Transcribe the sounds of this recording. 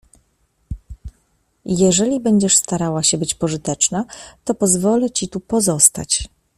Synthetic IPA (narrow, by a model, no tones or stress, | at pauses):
jɛʐɛlʲibɛɲd͡ʑɛʂst̪aɾawaɕɛbɘt͡ɕpɔʐɘt̪ɛt͡ʂnat̪ɔpɔzvɔlɛt͡ɕit̪upɔzɔst̪a̰t͡ɕ